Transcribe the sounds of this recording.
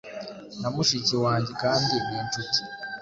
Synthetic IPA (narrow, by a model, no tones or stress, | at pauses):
namuʃicewaːɲɟekaːndiniːntuti